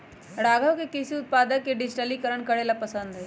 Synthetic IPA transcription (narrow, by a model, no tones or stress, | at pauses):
ɽaɡʱəʋkekisiːʊt̪̚pad̪əkːeɖɪd͡ʑʈalikəɾəɳkəɽelapəsənd̪ɦe